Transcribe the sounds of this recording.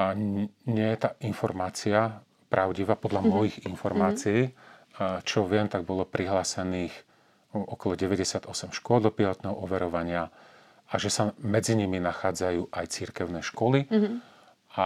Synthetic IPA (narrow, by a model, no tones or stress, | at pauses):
ɲːɪɛjɛt̪aːʔinfɔɾmaːt͡sia | pɾʔaʊɟiʋaːpɔd̪lʎamɔjiɣinfɔɾmaːt͡sii | t͡ʃɔʋɪɛmt̪aɡ̚bɔlɔpɾiɦlaːsɛniːx | ɔkɔlɔɟɛʋɛɟɛsɪad̪ɔsɛmʃkʊɔlˠd̪ɔpilɔt̪nɛːɦɔʔɔʋɛɾɔʋaɲɪa | aʒɛsamɛd͡ziɲiminaxaːd͡zajuːʔajt͡siɾkɛʊnɛːʃkɔli | a